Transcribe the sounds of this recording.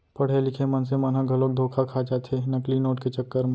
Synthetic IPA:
pɐɽ̤elɪkʰemɐnsemɐnɦãɡʱɐloːk̚d̪ʱoːkʰakʰat͡ʃat̪ʰenɐklinoːʈket͡ʃɐkːəɾm

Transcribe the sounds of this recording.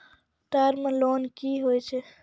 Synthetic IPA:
ʈaɾmelonkiɦojt͡ʃʰɛ

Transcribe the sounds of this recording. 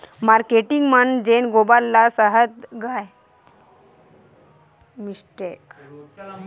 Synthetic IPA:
maɾkeʈiŋɡmənd͡ʑenɡobalːasəɦət̪ɡʱaj | misʈek

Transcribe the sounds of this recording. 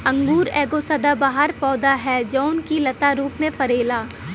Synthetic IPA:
ɐ̃ŋɡuːɾɛːɡosɐd̪abaːɦəɾpɔːd̪aɦɛd͡ʒɔːʊnkilɐt̪aɾuːpmẽfɐɾeːlaː

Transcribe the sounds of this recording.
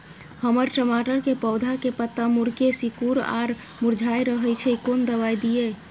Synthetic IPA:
həməɾʈəmaʈəɾkepəʊd̪ʱakepət̪ːamuɾkesikuɾa̰ɾ | muɾd͡ʒʱajɾəɦɛjt͡ʃʰɛikond̪əβajd̪ije

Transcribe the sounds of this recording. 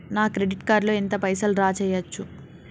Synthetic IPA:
naːkɾe̞ɖiʈkaːɾloːent̪ɐpɐjsɐlɾaːt͡ʃɛːjɐt͡ʃːu

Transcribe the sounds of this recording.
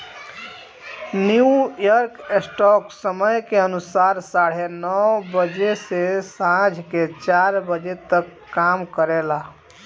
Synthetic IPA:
njujəɾkesʈɔksəməjkeənusaɾsaɽ̤enɔwbəd͡ʒesesãd͡ʒʱket͡ʃaɾbəd͡ʒet̪əkːamkəɾela

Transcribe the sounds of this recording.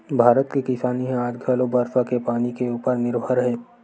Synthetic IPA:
bʱaːɾət̪kikɪsaːniɦɛ̃aːd͡ʒɡʱəːlobəɾsakepaːnikeuːpəɾnɪɾbʱəɾɦɛː

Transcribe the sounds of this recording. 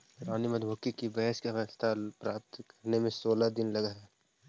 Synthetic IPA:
ɾaːnimɐd̪ʱoːkikibɛɦʃkaʋast̪ʰapɾaːpt̪kɐɾnemẽsoːlad̪ɪnlɐɡaɦɛː

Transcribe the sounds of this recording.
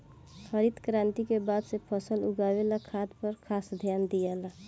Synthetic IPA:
kəɾid̪kɾãnt̪ikebad̪sepʰəsəluɡawelakʰad̪pəɾkʰasd̪ʱjand̪ijala

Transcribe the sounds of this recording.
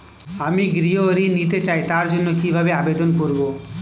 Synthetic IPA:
amiɡɾioɾinit̪̬et͡ɕajt̪aɾd͡ʑonːokibʱabeabed̪onkoɾbo

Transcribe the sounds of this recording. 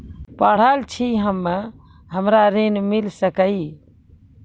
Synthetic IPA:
pəɽ̤əlt͡ʃʰiɦəmːə | ɦəmɾaɾenmilsəkəi

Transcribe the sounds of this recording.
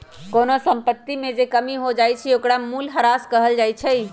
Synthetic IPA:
konosə̃mpət̪ːimed͡ʒekəmiɦod͡ʒajt͡ʃʰɛokɾamuːlɦəɾaskəɦəld͡ʒajt͡ʃʰɛj

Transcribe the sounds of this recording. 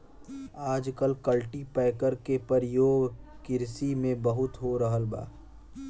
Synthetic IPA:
aːd͡ʒkəlkəlʈipɛːkəɾkepəɾjoːɡkɪɾsimẽbəɦʊt̪ɦoɾəɦəlba̰ː

